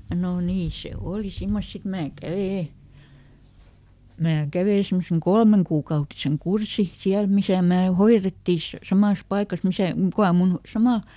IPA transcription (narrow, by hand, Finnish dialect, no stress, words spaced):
noˑ niː se oˑli simːos sit mæː kæʋeˑ mæː kæʋeˑ semːoseŋ kolmeŋkuːkɑutiseŋ kursi siæl misæˑ mæː hoiretːi s sɑmɑˑs pɑikɑs misæ kukɑ mun sɑmɑˑl